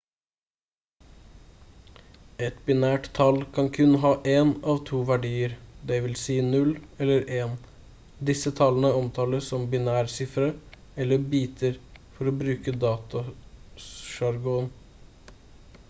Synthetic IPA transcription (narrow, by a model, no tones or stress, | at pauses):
ɛt̪bɪnæːʈt̪ʰɑlkʰɑŋkʰʉnɦɑːʔeːnɑːʋt̪ʰuːʋæɖiːəɾd̪ɛɪʋɪlsiːnʉlɛlːəɾʔeːn | d̪ɪsət̪ʰɑlːənəɔmt̪ʰɑːləsɔmbɪnæːɾsɪfɾə | ɛlːəbiːt̪ʰəɾfɔɾoːbɾʉːkəd̪ɑːt̪ɑ | ʃɑɾɡuːn